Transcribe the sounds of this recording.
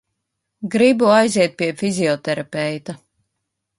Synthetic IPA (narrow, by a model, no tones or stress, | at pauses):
ɡɾibuajziɛt̪̚piɛfizʲiɔt̪ɛɾapɛjt̪a